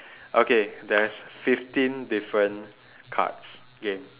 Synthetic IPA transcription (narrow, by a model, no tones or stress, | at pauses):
ʔokedɛsfiftĩndifɹə̃n | kʰa̰ts | ɡẽm